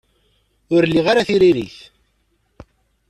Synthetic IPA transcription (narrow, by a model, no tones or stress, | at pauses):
ʊɾlːiʁaɾaθiɾiɾḭθ